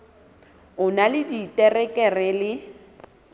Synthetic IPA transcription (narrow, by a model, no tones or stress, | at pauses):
ʊnalɪditʼɛrɛkʼɛrɛlɪ